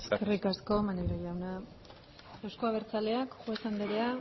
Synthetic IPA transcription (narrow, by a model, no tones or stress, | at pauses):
esskerikasko̞maneɣɾoɣawna | ewsko̞aβ̞e̞ɾt͡sale̞akʝuesand̪eɾea